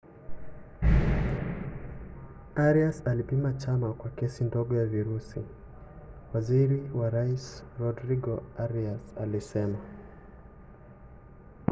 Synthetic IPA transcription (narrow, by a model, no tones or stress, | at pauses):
aɾiasalipimat͡ʃamakwakɛsindɔɠɔjaviɾusi | waziɾiwaɾaisɾɔdɾiɡɔaɾiasa̰lisɛma